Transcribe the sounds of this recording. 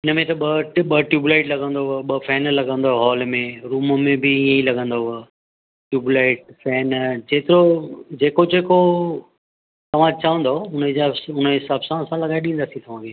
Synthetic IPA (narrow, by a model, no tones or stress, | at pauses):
ɪnəmẽt̪ɐɓɐʈɓɐʈjuːbulaːɪʈlɐɡə̃nd̪oɦʊəɓɐfɛːnlɐɡə̃nd̪oɦɦɔːlmẽɾuːməmẽbɪĩːə̃ilɐɡə̃nd̪oɦʊ | ʈjuːbulaːɪʈfɛːnd͡ʑeːt̪ɪɾod͡ʑeːkod͡ʑeːko | t̪ɐʋ̤ãt͡ɕɐʋə̃nd̪oʊnəd͡ʑaʊnəɦɪsaːbsãsãlɐɠaːɪɗĩːnd̪aːsĩt̪ɐʋ̤ãkeː